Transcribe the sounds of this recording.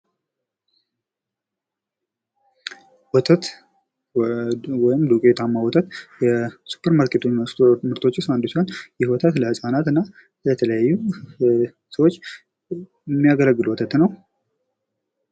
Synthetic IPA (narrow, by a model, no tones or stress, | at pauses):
wɔt̪ʰət̪ | wɔjɪmd̪ukʼet̪ʰamːawɔt̪ʰət̪jɛsu̥pʰːəɾmaɾkʰet̪ʰosmɨɾt̪ʰo̞t͡ʃːɪsand̪usanjɪhwɔt̪ʰət̪ləhɨsʼanat̪ɨnːa | lət̪ʰələjajːu | səwot͡ʃː | ɪmːijaɡələɡːɨlwɔt̪ʰət̪nəw